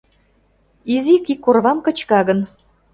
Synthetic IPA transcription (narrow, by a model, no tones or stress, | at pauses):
izikikːorβɑmkə̆t͡ɕkɑɣə̆n